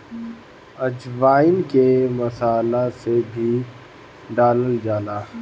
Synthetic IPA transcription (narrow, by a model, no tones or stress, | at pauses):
ɐd͡ʒʋaːɪnkemɐsaːlasebʱi | ɖaːləld͡ʒaːnaː